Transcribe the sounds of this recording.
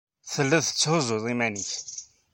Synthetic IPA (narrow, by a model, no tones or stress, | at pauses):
θəlːæðθə̥t͡sːhʊzˤʊðˤimæniθ